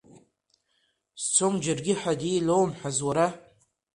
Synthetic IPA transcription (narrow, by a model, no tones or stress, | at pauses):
st͡sʷʰomd͡ʒɪrɡʲɪħadiːlowmħazwaɾa